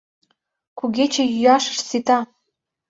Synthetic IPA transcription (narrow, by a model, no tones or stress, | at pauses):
kuɣʲet͡ɕĕjyjɑʃə̥̆ʃt͡sit̪ɑ